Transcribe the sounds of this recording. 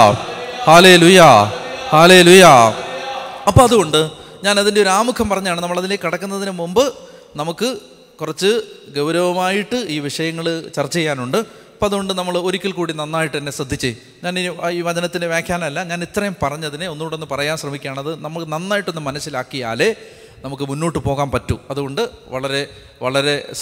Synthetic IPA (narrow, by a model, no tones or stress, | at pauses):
haːle̞ːlujɐhaːle̞ːlujɐ | ɐpːoːɐðuɣo̞ɳɖɨ | ɲaːnɐðindeo̞ɾuaːmukʰɐmpɐrɐɲːaːɳɨnɐmːɐɭɐðileːkːiɽɐkːunːɐðinɨmumbɨ | nɐmukːɨ | kurɐt͡ɕːɨɡɐwɾɐʋɐmaːjiʈːɨiːʋiʂɐjɐŋːɐɭt͡ɕɐrt͡ɕːɐejːaːnuɳɖɨ | ɐpːoːɐðuɣo̞ɳɖɨnɐmːɐɭo̞ɾikʲːilkuːɽinɐnːaːjiʈːɨt̪ɐnːe̞srɐd̪ʱːit͡ɕːej | ɲaːniiːʋɐd͡ʑɐnɐt̪ːindeʋjeːkʰjaːlɐmɐlːɐɲaːnet̪ːrɐjumpɐrɐɲːɐðineo̞nːuːʈːe̞nːɨpɐrɐjaːnɕrɐmikʲːaːɳɐðɨnɐmːɐɭnɐnːaːjiʈːo̞nːɨmɐnɐsːilaːkːija̰ːle̞ | nɐmukːɨmunːoːʈːɨpo̞ːɣaːnpɐtːuɐðuɣo̞ɳɖɨʋɐɭɐɾe̞ | ʋɐɭɐɾe̞